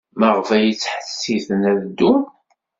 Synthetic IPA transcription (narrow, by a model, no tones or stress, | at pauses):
məʁvæjit͡sːħə̥sːiθənævd̪um